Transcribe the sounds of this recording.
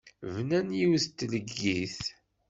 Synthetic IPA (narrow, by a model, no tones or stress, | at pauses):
vnænjiwθt̪ːləɡːiθ